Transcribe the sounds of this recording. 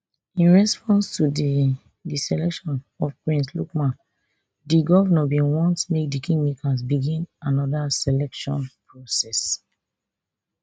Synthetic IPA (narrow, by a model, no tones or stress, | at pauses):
ĩnɹɛspɔ̃nstudi | disɛlɛkʃɔ̃n | ɔfpɹĩnslṵkmãn | diɡɔvnɔbĩnwɔ̃ntmek̚dikĩŋɡmikasbiɡĩnanɔdasɛlɛkʃɔ̰̃npɹɔsɛs